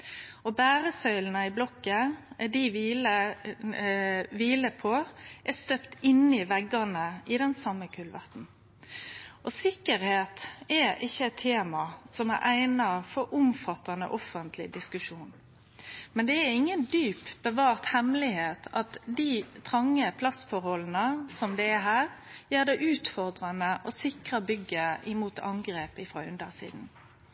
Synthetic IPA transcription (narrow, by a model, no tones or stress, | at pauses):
ɔbæːɾəsœʏln̩əɪblɔkːəd̪ɪʋiːlə | ʋiːləpʰɔʔɛst̪øpt̪ɪnːɪʋɛɡɑnəɪd̪ɛnsɑmːəkʰʉlʋæ̰ʁt̪n̩ | ʔɔsɪkːəɾheːt̪ɛʔɪçːəɛt̪ʰːeːmɑsɔmæ̰ɾʔæɪnɑfɔɾʔʊmfɑt̪ɑnə̰ʔɔfənt̪ʰlɪ̰d̪ɪskʉʂuːn | mɛnd̪ɛæɪŋːənd̪yːpb̥əʋɑːʁt̪hɛmlɪheːt̪ʰɑt̪d̪it̪ʰʁɑŋːəpʰlɑsfɔɾhɔlən̩əsɔmd̪ɛːɦæːɾjeːʁd̪æɪʔʉːt̪fɔʁd̪ɾɑnəʔɔsɪkɾəbʏɡːəɪmuːt̪ʰɑŋɡɾeːpɪfʁɑ̰ʉnd̪əʁsḭːd̪n